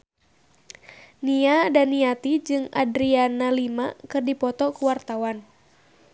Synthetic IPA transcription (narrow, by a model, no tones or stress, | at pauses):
niadaniat̪id͡ʒɨŋa̰dɾianalimakɨrdipɔt̪ɔkuwart̪awan